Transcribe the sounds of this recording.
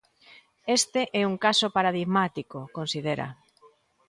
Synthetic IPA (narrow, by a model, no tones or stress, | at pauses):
est̪eʔɛuŋkasopaɾað̞iɣmat̪ikokonsið̞eɾa̰